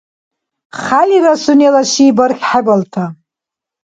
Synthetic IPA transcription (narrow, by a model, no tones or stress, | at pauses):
χalʲirasunelaʃiːbarχʲħabaltʰa